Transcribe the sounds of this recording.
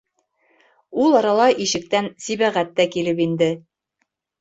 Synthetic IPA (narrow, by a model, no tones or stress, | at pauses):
ulˠɑɾɑlˠɑʔiʃɘ̆k̚t̪ænsiβæʁæt̪ːækilɘpind̪ɘ